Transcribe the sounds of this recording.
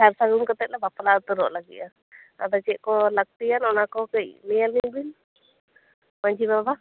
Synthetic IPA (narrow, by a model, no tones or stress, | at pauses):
saɾsaɡumkɔt̪ɛc̪̚lɛbaplat̪ɔɾɔ̰ʔlaɡḭʔa | a̰d̪at͡ʃɛʔ̚kɔlək̚t̪ijanɔnakɔkəjlɛjalibin | maɲd͡ʒibaba